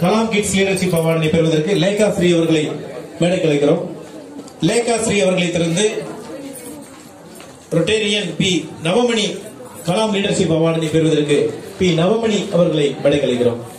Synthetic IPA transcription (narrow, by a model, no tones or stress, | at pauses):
kɐlaːmkɪʈsliːɽɐɾʂɪpːɐʋaːɽɐnɐɪpɛɾʋɐðɐɾkɯlɐɪkaːsɾiɐʋɐɾɣɐɭɐɪmɛɽɐɪkːɐɭɐɪkːɪɾoːm | lɐkːaːsɾiɐʋɐɾɣɐɭɐɪt̪ːɪɾɐnd̪ɯ | ɾɔʈːeːɾɪjɐnpiːnɐʋɐmɐɳi | kɐlaːmliːɽɐɾʂɪpːɐʋaːɽɐnɐɪpɛɾɯʋɐðɐɾkːɯpiːnɐʋɐmɐɳiʔɐʋɐɾɣɐɭɐɪmɛɽɐɪkːɐɭɐɪkːɪɾo̰ːm